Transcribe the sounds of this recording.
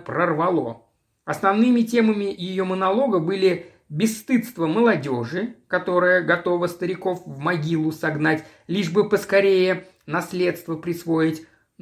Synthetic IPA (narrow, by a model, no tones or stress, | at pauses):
pɾərvɐlˠo̞̰ | ɐsnɐvnɨmʲɪtʲe̞məmʲɪjɪjomənɐlˠo̞ɡəbɨlʲɪ | bʲɪsːt̪ɨt̪st̪vəməlˠɐdʲo̞ʐɨkɐt̪o̞ɾɨjəɡɐt̪o̞vəst̪əɾʲɪko̞fvmɐɡʲilˠʊsɐɡnatʲ | lʲiʐbɨpəskɐɾʲejə | nɐslʲe̞t̪st̪vəpɾʲɪsvo̞ɪtʲ